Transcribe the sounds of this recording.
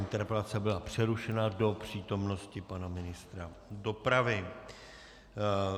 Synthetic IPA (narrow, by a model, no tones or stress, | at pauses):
ɪnt̪ɛɾpɛlat͡sɛbɪlapr̝̥ɛɾuʃɛnado̞pr̥iːt̪o̞mno̞scɪpanamɪnɪst̪ɾado̞pɾavɪ